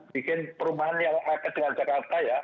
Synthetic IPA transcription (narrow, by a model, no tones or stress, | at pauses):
b̥ikɪnpəɾumaɦanjaŋakəd̥əŋand͡ʒakart̪aja